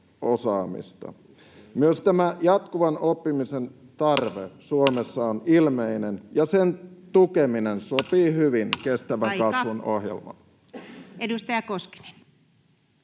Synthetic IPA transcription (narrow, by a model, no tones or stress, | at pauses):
osɑːmḭst̪ɑ̰ | myøst̪æmæjɑt̪kuʋɑnopːimisen | t̪ɑrʋḛsuomesːɑonilmeinenjɑsent̪ukeminensopiːhyʋinkest̪æʋæŋkkɑsʋunohjḛlmɑ̰ | edust̪ɑjɑkoski̥ne̥n